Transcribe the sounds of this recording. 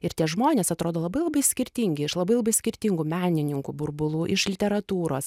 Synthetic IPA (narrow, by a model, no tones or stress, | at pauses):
ɪɾt̪ʲiɛʒmoːnʲeːsɐt̪ɾoːd̪oːlˠɐbɐɪlˠɐbɐɪsʲkʲɪɾʲt̪ʲiŋʲɡʲɪɪʃlˠɐbɐɪlˠɐbɐɪsʲkʲɪɾʲt̪ʲiŋɡuːmʲæːnʲɪnʲɪŋkubʊɾbʊlˠuːʔɪʃlʲɪt̪ʲɛɾɐt̪uːɾoːs